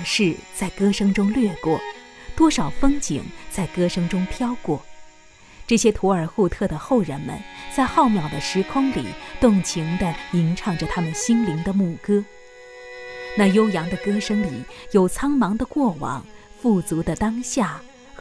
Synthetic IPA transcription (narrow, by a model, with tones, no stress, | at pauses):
ʂɻ̩˥˩t͡sa˥˩ɪkɤ˥ʂɤ˥ŋʈ͡ʂʊ˥ŋlɥɛ˥˧kwɔ˥˩ | t̪wɔ˥ʂɑ˨˩ʊfɤ˥ŋt͡ɕḭ˨˩˦ŋt͡sa˥˩ɪkɤ˥ʂɤ˥ŋʈ͡ʂʊ˥ŋpʰjɑ˥ʊkwɔ˥˩ | ʈ͡ʂɤ˥˩ɕjɛ˥t̪ʰu˧˥ə˞˨˩xu˥˧t̪ʰɤ˥˩d̪ə˩xo˥˩ʊɻə˧˥nmə̰˧nt͡sa˥˧ɪxɑ˥˩ʊmjɑ˨˩ʊd̪ə˦ʂɻ̩˧˥kʰʊ˥ŋlḭ˨˩t̪ʊ˥˩ŋt͡ɕʰi˧˥ŋd̪ə˧i˧˥ŋʈ͡ʂʰɑ˧˥ŋʈ͡ʂə˨˧t̪ʰa˥mə˨nɕi˥nli˧˥ŋd̪ə˧mu˥˩kɤ˥ | na˥˩jo˥ʊjɑ˧˥ŋd̪ə˧kɤ˥ʂɤ˥ŋli˨˩jo˨˩ʊt͡sʰɑ˥ŋmɑ˧˥ŋd̪ə˧kwɔ˥˩wɑ̰˨˩˦ŋ | fu˥˩t͡su˧˥d̪ə˧t̪ɑ˥ŋɕja˥˩